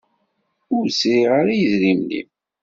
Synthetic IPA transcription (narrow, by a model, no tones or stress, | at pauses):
ʊɾsɾiʁəɾijəzɾimlḭm